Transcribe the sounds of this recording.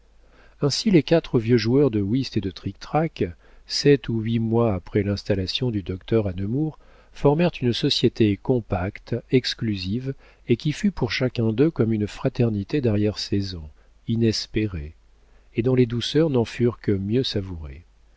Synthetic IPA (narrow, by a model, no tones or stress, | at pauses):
ɛ̃silekat̪χəvjøʒuœʁd̪əwist̪ed̪ət̪χik̚t̪χak | sɛt̪uɥimwaːpχɛlɛ̃st̪alasjɔ̃d̪yd̪ɔk̚t̪œʁanəmuʁ | fɔʁmɛʁt̪ynsɔsjet̪ekɔ̃pakt̪ɛksklyziv | ekʲifypuʁʃakʲɛ̃d̪økɔmynfχat̪ɛʁnit̪ed̪ɛʁjɛʁsezɑ̃ | inɛspeʁe | ed̪ɔ̃led̪usœʁnɑ̃fyʁkəmjøsavuʁḛ